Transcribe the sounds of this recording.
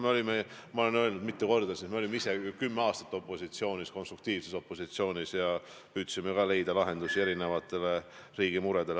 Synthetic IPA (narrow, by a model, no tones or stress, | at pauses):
meo̞lʲimemɑo̞le̞nø̞lnud̪̚mit̪ːeko̞rd̪d̪ɑsismeo̞lʲimeise̞kymːeɑːst̪ɑ̥t̪ːˑo̞pːˑo̞sit̪sio̞ːnʲisko̞nst̪ruk̚t̪iːvse̞so̞pːˑo̞sit̪sio̞ːnʲisjɑ | pyːt̪simekɑle̞jd̪ɑlɑɦe̞nd̪̥usie̞ɾine̞vɑt̪ːˑe̞le̞riːɡ̥imuɾed̪e̞l